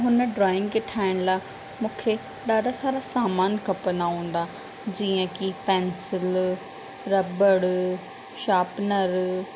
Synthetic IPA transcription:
ɦʊn̆ɖɾɔːɪ̃ŋɡkeʈʰaːɪɽ̃laː | mũːkʰe | ɗaːɖasaːɾasaːmaːnkɐpənaɦũːn̆d̪a | d͡ʑiːə̃kipɛ̃ːnsɪl | ɾɐbəɽ | ʃaːpnəɾ

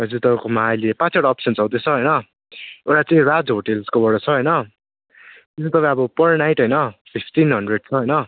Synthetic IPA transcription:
ʌd͡zut̪ʌpakomaɦajlepãt͡sʰaɽaʌpsʌnt͡sawd̪et͡sʰʌɦʌjnʌ | ewʈat͡saĩrad͡zɦoʈelskobʌɽʌt͡sʰʌɦʌjnʌ | t̪esʰẽt̪ʌpãj̃ʌbʌpʌrnajʈɦʌjnʌpʰipʰʈinɦʌɳɖreɖ̚t͡sʰʌɦʌjnʌ

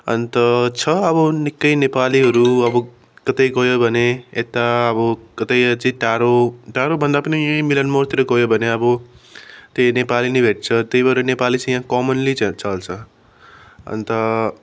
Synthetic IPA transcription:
ʌ̰nt̪ʌt͡sʰʌʌbʌnikːʌjnepaliɦʌɾuʌbʌ | kʌt̪ʌjɡʌjobʱʌneet̪aʌbʌkʌt̪ʌjʌt͡sʌĩʈaɾoʈaɾobʱʌnd̪apʌnijãĩmilʌnmort̪iɾʌɡʌjobʱʌneʌbʌ | t̪enepalinʌbʱeʈ̚t͡sʰʌt̪ʌjbʌɾenepalit͡sãjãkʌmʌnlit͡sat͡sʌlt͡sʰʌ | ʌ̰nt̪ʌ

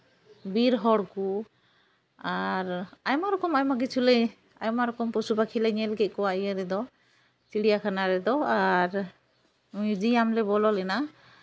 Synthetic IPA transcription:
biɾɦɔɽku | aɾajmaɾɔkɔmajmaɡit͡ʃʰulɛj | ajmaɾɔkɔmpɔsubakʰilɛɲɛlɡɛʔ̚ˀkɔwaijaɾɛd̪ɔ | t͡ʃiɽijakʰanaɾɛd̪ɔaɾ | mjud͡ʒijamlɛbɔlɔlɛna

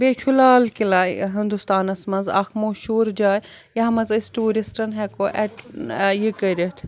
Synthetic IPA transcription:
beːt͡ʃʰulaːlkilaːɦind̪ust̪aːnɐsmɐnza̰xʰmoːʃuːɾd͡ʒaːjjɐɦɐmɐzisʈuːɾisʈɐnɦɛkoʔɛʈjikɐɾʲit̪ʰ

